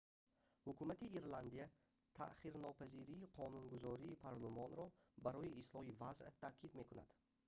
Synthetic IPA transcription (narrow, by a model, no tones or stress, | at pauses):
hukumat̪iiɾland̪ija | t̪ʰa̰ʔχiɾnɔpʰæziɾiːqʰɔnunɡuzɔɾiːpʰaɾlˠumɔnɾɔbaɾɔjiʔislɔhivazt̪ʰakʰid̪me̞kuna̰d̪̥